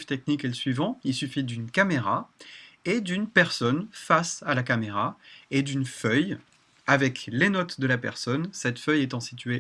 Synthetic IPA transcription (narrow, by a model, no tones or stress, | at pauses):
ft̪ɛk̚nikeləsɥivɑ̃ilsyfid̪ynkameʁa | ed̪ynpɛʁsɔnfasalakameʁaed̪ynfœj | avɛklenɔt̪d̪əlapɛʁsɔnsɛt̪fœjet̪ɑ̃sit̪ɥe